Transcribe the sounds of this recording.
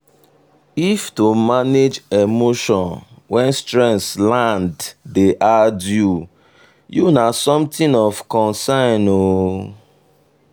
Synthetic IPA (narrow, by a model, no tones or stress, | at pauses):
iftumaned͡ʒemoʃɔ̃nwɛ̃nstɹɛ̃ntslãnddeʔadju | junasɔ̃mtĩnɔvkɔ̃nsãno